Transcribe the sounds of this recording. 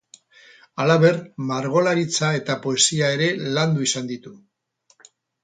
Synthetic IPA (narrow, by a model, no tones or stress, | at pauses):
alaβe̞rmaɾɣ̞o̞laɾit͡sae̞t̪apo̞e̞siae̞ɾe̞land̪uisand̪it̪u